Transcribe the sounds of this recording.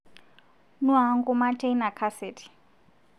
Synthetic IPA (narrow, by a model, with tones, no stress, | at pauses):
nu˦ɦa˨˦ŋɡu˦ma˦tʰe˦jna˨kʰa˦se˨tʰi̥˨